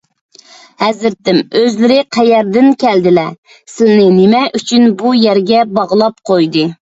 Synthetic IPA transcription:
hɛzɪɾt̪ɪmøzlɪɾɪqʰɛjɛɾd̪ɪnkʲʰɛld̪ɪlɛ | sɪlnɪnɪmɛʔyt͡ʃʰynbujɛɾɡʲɛbɑʁlˠɑp̚qʰojd̪ɨ

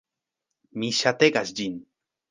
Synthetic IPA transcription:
miʃat̪eɡasd͡ʒin

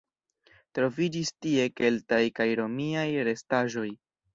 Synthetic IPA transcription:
tɾo̞vid͡ʒistie̞ke̞ltajkajɾo̞miajɾe̞staʒo̞j

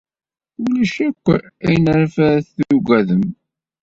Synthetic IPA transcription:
ulæʃækʷːæjnɾafæɾθːuɡæðəm

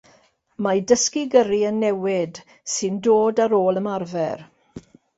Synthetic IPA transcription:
madəskiɡəɾiənːɛwɪd | sɨndoːdaɾoːləmarvɛr

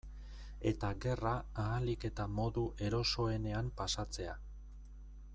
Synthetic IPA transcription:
e̞t̪aɣe̞raːlike̞t̪amo̞ðuʔe̞ɾo̞so̞e̞ne̞ampasat͡se̞a

